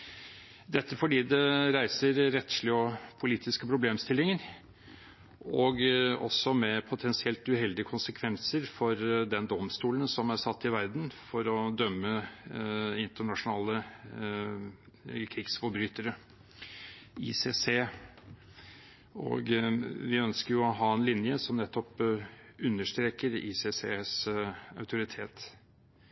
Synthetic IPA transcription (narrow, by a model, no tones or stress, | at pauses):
d̪ɛt̪ːəfɔɖiːd̪ɛɾæɪsəɾɾɛt̪ʂlɪɔpʰʊliːt̪ɪskəpʰɾʊbleːmst̪ɪlːɪŋəɾ | ɔɡɔsːɔmɛpʰʊt̪ʰɛnsɪɛlt̪ʉɦɛld̪ɪəkʰʊnsəkʰʋɛnsəɾfɔɾd̪ɛnd̪ɔmst̪uːlənsɔmæɾsɑt̪ːɪʋæɾd̪n̩fɔɾɔd̪œmːə | ɪnt̪əɳɑʂʊnɑːlə | kʰɾɪɡsfɔbɾyːt̪əɾə | ḭːseːseː | ɔ̰ɡʋɪœnskəɾjʊɔɦɑːɛnlɪnjəsɔmnɛt̪ːɔp | ʉnːəʂt̪ɾeːkəɾḭːseseːsɑ̰ʉt̪ʰʊɾɪt̪ʰeːt̪